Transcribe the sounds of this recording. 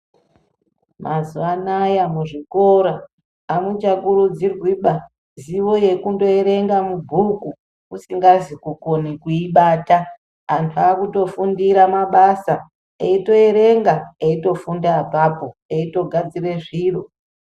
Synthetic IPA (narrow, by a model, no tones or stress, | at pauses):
mʔazuanajamuʐiko̞ɾaː | mut͡ʃakurud͡zirwiɓa | ziʋo̞je̞kundo̞eɾe̞ŋɡamubʱuku | usiŋɡazikukonikuiɓaːta | antʰuakuto̞fundiɾamaɓasa | eito̞eɾe̞ŋɡaeito̞fundaːpapo̞eito̞ɡʱad͡zire̞ʐiːro̞